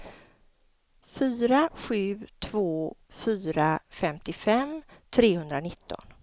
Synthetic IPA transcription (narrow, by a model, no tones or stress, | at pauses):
fyːɾaɧʉ̟ːt̪ʰv̥oːfyːɾafɛmt̪ɪfɛmt̪ʰɾeːhɵnd̪ɾanɪt̪ʰːɔ̰n